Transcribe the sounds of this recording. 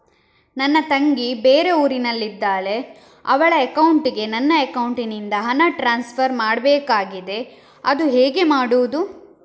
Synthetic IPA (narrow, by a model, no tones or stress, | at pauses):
nɐnːɐt̪ɐŋɡibeːɾe̞uːɾinɐlːid̪ːaːle̞ | ɐ̰ʋɐɭɐekɐwuɳʈiɡe̞nɐnːɐekɐwuɳʈinind̪ɐɦɐnɐʈɾaːnspʰɐɾmaːɽbeːkaːɡid̪e̞ | ɐd̪uɦeːɡe̞maːɽuʋud̪u